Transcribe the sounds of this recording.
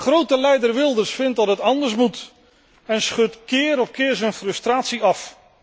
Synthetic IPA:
χrowtəlɛjdərʋɪlˠdəsfɪnt̚dɑtɦətɑndəɹsmut | ɛnsχɵtkɪːɾɔpkɪːɹzənfrɵstraːtsiɑf

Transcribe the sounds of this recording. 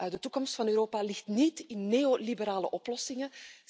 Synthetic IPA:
dətukɔmstfɑnøːɾoːpalɪxtnitɪnːeːolibəɾaːlə̰ʔɔplɔsɪŋə

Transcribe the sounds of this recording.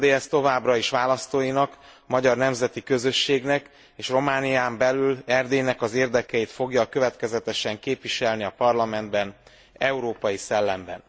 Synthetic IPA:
d̪eːɛst̪o̞vaːbrɒeːʃʋaːlɒst̪oːjinɒk | mɒɟɒrnɛmzɛt̪ikø̞zø̞ʃːeːɡnɛk | eːʃro̞maːnijaːmbɛlylɛrd̪eːnɛkɒzeːrd̪ɛkɛjit̪fo̞ɡjɒkø̞vɛt̪kɛzɛt̪ɛʃɛŋkeːpʋiʃɛlniɒpɒrlɒmɛnd̪bɛn | ɛuɾoːpɒjisɛlːɛmbɛ̰n

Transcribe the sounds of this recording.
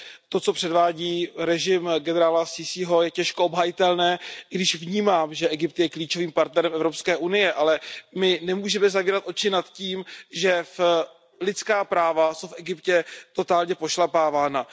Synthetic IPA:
t̪o̞t͡so̞pr̝̥ɛdvaːɟiːɾɛʒɪmɡɛnɛɾaːlasɪsiɦo̞jɛcɛʃkoobɦajɪt̪ɛlnɛːɡdɪʃvɲiːmaːmʒɛʔɛɡɪp̚t̪jɛkliːt͡ʃo̞viːmpaɾt̪nɛɾɛmʔɛvɾo̞pskɛːʔunɪjɛʔalɛmɪnɛmuːʒɛmɛzaviːɾat̪ʔo̞t͡ʃɪnat̪ciːmʒɛf | lɪt͡skaːpɾaːvasowfʔɛɡɪpcɛt̪o̞t̪aːlɲɛpo̞ʃlapaːvaːna

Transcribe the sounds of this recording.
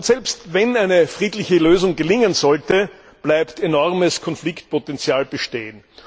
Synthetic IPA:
ʊtsɛlpstvɛnæɪnəfʁiːdlɪçəløːzʊŋɡəlɪŋənzɔltə | b̥læɪptenɔʁməskʰɔnflɪkt̚pʰotɛnt͡sjaːlb̥əʃteːən

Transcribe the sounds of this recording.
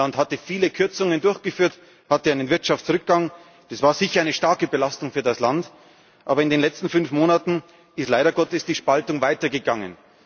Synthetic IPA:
anthatəfiːləkʰʏɐt͡sʊŋəndʊɐçɡ̥əfyːɐt | hatəaɪnənvɪɐtʃaft͡sʁʏk̚ɡ̥aŋ | d̥asv̥aːɐzɪçɐaɪnəʃtaɐkəbəlastʊŋfyːɐdaslant | ʔa̰ːbɐɪndeːnlɛt͡stn̩fʏnfmoːnatn̩ | ɪstlaɪɾɐɡɔtəsd̥iːʃpaltʊŋvaɪtɐɡəɡaŋə̰n

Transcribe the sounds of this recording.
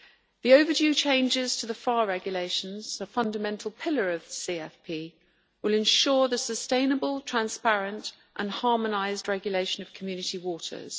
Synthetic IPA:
ðiəʊvəd͡ʒʉːt͡ʃʰẽɪ̃nd͡ʒɪz̥tʰəðəfɑːɹɛɡjəleɪʃə̃nz̥əfʌ̃ndəmɛ̃ntʰˡəl̩ˠpʰɪləɹəv̥ðəsiɛfpʰiː | wɪlɪ̃nʃɔːðəsəstẽɪ̃nəbəlˠtʰɹ̥ãnspæɹə̃nt | ʔə̃nhɑːmənaɪzdɹɛɡjəleɪʃə̃nəv̥kʰəmjʉːnɪtiwɔˑtʰə̰z̥

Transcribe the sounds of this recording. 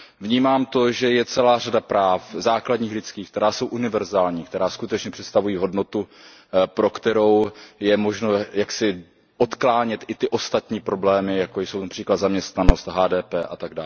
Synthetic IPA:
vɲiːmaːmt̪o̞ʒɛjɛt͡sɛlaːradapɾaːfzaːkladɲiːxlɪt͡skiːxk̚t̪ɛɾaːso̞wʔunɪvɛɾzaːlɲiːkt̪ɛɾaːskut̪ɛt͡ʃɲɛpr̥ɛt̪st̪avujiːɦo̞dno̞t̪u | pɾo̞kt̪ɛɾo̞wjɛmo̞ʒnojaksɪ | ʔot̪klaːɲɛt̪ʔɪt̪ɪʔo̞st̪at̪ɲiːpɾo̞blɛːmɪjakojso̞wnapr̥iːklat̪zamɲɛst̪nano̞st̪ɦaːdɛːpɛːʔat̪aɡdaːl

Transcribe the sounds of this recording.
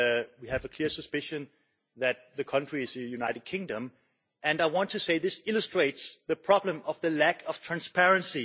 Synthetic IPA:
wiɨvəkʰl̥ɪɹsɨspɪʃɨ̃n | ðæt̪̚ðɨkʰʌ̃ntɹ̥iɨzðɨjʉnaɪɾɨd̚kʰɪ̃ŋdə̃m | ɨ̃naɪwɑ̃ntʰɨseɪðɪsɪlˠəstɹ̥eɪtsðɨpʰɹ̥ɑblə̃mʌvðəlækʰʌv̥tʰɹ̥æ̃nspʰɛɹɨ̃nsi

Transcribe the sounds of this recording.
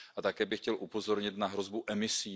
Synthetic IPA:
ʔat̪akɛːbɪxcɛlʔupo̞zo̞ɾɲɪt̪naɦɾo̞zbuʔɛmɪsiː

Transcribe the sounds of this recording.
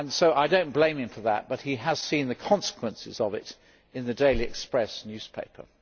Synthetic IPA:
nsoʊʔaɪdõʊ̃nb̥lẽɪ̃mɨ̃ɱfə˞ðə̰t̚b̥ʌt̚hiəz̥sĩnðɨkʰɑ̃nsə̥kʰw̥ə̃nsɨ̰zʌvɪ̰ɾ | ɨ̃nðɨdeɪliɨ̰kspɹɛsnjʉz̥pʰeɪpʰə̰˞

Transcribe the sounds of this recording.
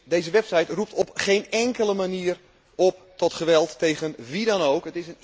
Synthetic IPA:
dejzəʋɛpsɛjtrup̚tɔpχeːnɛŋkələmaniər | ɔptɔtχəʋɛlˠtːejɣənʋidɔnoːkətɪsən

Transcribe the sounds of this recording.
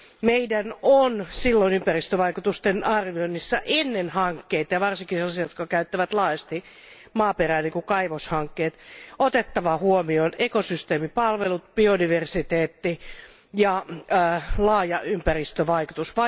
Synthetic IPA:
meidænonsilːoinympærist̪øʋɑikut̪ust̪enɑrʋionːisːɑʔenːenhɑŋkːeit̪ɑjɑʋɑrsiŋkiselːɑsijot̪kɑkæyt̪ːæʋæt̪lɑːjɑst̪i | mɑːperæːniŋkukɑiʋoshɑŋkːeːt̪ot̪et̪ːɑʋɑhuomionekosyst̪eːmipɑlʋelut̪̚b̥iodiʋersit̪eːt̪ːi | jɑ | lɑːjɑympærist̪øʋɑikut̪usʋɑ

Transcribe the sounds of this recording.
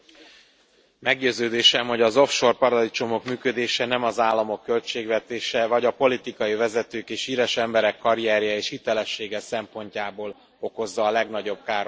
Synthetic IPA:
mɛɡɟøːzøːd̪eːʃɛmɦo̞ɟɒzo̞fʃo̞rpɒɾɒd̪it͡ʃo̞mo̞kmyːkød̪eːʃɛnɛmɒzaːlːɒmo̞kːø̞lt͡ʃeːɡʋɛt̪eːʃɛvɒɟɒpo̞lit̪ikɒjivɛzɛt̪øːkeːʃiːɾɛʃɛmbɛɾɛkːɒɾiɛːɾjɛeːʃhit̪ɛlɛʃːeːɡɛsɛmpo̞ɲcaːboːl | o̞ko̞zːɒːlɛɡn̪ɒɟo̞b̚kaːr

